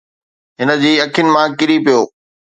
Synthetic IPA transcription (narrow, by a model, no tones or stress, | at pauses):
ɦɪnə̆d͡ʑiːɐkʰjʊnɪ̆mãkɪɾipijoː